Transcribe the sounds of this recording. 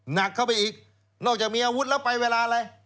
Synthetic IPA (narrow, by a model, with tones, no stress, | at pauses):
na˨˩kʰːa˥˩wpa˧jʔiː˨˩k̚ | nɔː˥˩k̚t͡ɕa˨˩k̚miː˧ʔaː˧wu˦˥t̪̚lɛ˦˥wpa˧jweː˧laː˧a˧ɾa˧j